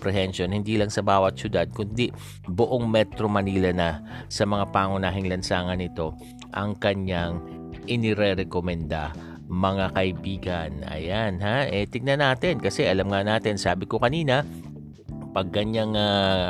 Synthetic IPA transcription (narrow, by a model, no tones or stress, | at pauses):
pɾɛhɛnʃonhɪnd̪iːlɐŋsɐbaːwɐt̪̚sʊd̪ad̪̚kʊnd̪i | bʊʔoŋmɛt̪ɾomɐniːlɐnɐsɐmɐŋapaːŋʊnaːɦɪŋlɐnsaːŋɐnɪt̪o̞ | ʔɐŋkɐɲaŋ | ʔɪnɪɾɛɾɛkomɛnd̪a | mɐŋakɐʔɪbiːɡɐnɐ̰janɦaʔɛt̪ɪɡ̚nɐnaːt̪ɪnkɐsɛʔɐlamŋanaːt̪ɪnsaːbɪkokɐniːnɐ | pɐɡ̚kɐɲaŋa